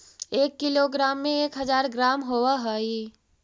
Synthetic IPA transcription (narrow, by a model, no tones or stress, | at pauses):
eːkːɪloɡɾaːmːẽeːkɦɐzaːɾɡɾaːmɦowaɦaːiː